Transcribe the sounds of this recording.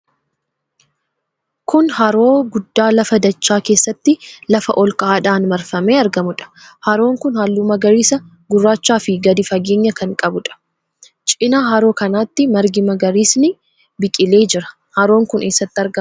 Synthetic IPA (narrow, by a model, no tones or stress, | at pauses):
kʊnhɐɾoːɡʊd̪ːaːlɐfɐd̪ɐt͡ʃːaːke̞ːsːɐt̪ːɪlɐfɐ̰ʔɔlkɐaːᶑaːnmɐɾfɐmeːɐɾɡɐmʊᶑɐ̥hɐɾo̞ːŋkʊnhaːlːuːmɐɡɐɾiːsɐ | ɡʊrːaːt͡ʃːaːfɪɡɐd̪ɪfɐɡe̞ːɲːɐkɐŋkʼɐbʊᶑɐ̥ | t͡ʃʼɪnaːɦɐɾo̞ːkɐnaːt̪ːɪmɐɾɡɪmɐɡɐɾiːsnɪ | bɪkʼɪle̞ːd͡ʒɪɾɐ̥ | hɐɾo̞ːŋkʊnʔeːsːɐt̪ːɪɐɾɡɐ